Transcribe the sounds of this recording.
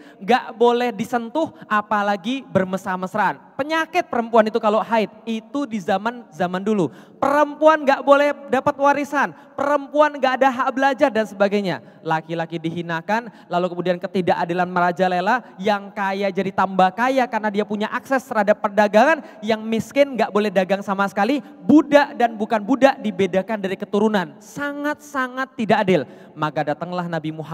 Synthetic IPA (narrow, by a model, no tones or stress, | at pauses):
ŋɡaʔbolɛhdisənt̪ʊhapalaɡibərməsaməsəɾaanpəɲakɪt̪̚pəɾəmpuanit̪ukaloɦaɪt̪̚it̪udizamanzamandulu | pəɾəmpuanŋɡaʔbolɛhdapat̪̚waɾisan | pəɾəmpuanŋɡaʔːdaɦaʔbəlad͡ʒardansəbaɡajɲa̰ | lakilakidiɦinakan | lalukəmudiankət̪idaʔadɪlanməɾad͡ʒalelajaŋkajad͡ʒadit̪ambahkajakarnadiapuɲaʔaksɛst̪əɾhadapːərdaɡaŋan | jaŋmiskɪnŋɡaʔbolɛhdaɡaŋsamasə̥kali | budaʔdanbukanbudaʔdibedakandaɾikət̪uɾunansaŋat̪̚saŋat̪ːidaʔːdɪl | makadat̪əŋlahnabimuɦa